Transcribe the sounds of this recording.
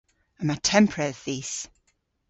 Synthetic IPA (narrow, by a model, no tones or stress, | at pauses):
əmatʰɛ̃mpʰɹɛθis